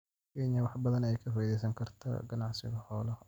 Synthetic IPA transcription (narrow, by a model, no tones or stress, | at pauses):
kɛːɲjɐwɑħbɐðɐnɛɛjkʰɐfɔjðɛjs̬ɐŋkʰɐrt̪ʰɐ̰ɡɐnɑʕsɪɣɐhɔːl